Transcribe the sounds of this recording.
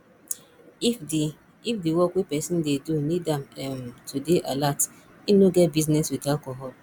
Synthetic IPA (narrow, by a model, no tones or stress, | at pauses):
ifdi | ifdiwɔkwepɛsɔ̃ndedunidãmɛmtʰudeʔalat | inoɡɛt̚biznɛswidakɔɦɔ